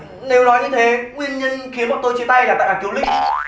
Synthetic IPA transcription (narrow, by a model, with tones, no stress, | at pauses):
ne˨˧wnɔ˨˦jɲɨ˧t̪ʰe˨˦ŋwi˧ənɲə˧nxi˨˦ənkɔ˨˩t̪o˧jt͡ɕi˧˦t̪a˧jlaː˨˩a̰ː˧˨aː˨˩k̪i˨˦wlï˦˥k̟̚